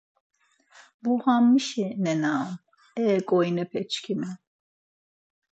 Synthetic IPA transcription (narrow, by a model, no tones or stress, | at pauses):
buhamːiʃɛnɛnam | ɛkʼɔjnɛpʰɛt͡ʃʰkʰinɛ